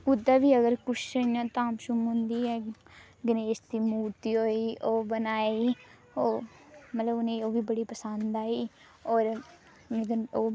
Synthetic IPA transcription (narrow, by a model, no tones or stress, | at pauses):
ʊd̪aːʋiːəɡəɾkʊʃəinãːt̪ãːmʃʊmɦʊ̃nd̪iːɛː | ɡɪneːst̪iːmuːɾt̪iːɦoːiːʔoːbənaːei | oːmət̪ləbʊnẽːoːʋiːbəɽiːpəsə̃nd̪aːiː | oːɾ | ɡəoː